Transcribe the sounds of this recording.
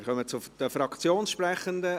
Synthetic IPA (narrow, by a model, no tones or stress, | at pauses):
χœmət͡sʊd̥̪əfɾɑkt͡sjoːnsʃpɾɛχənd̪ə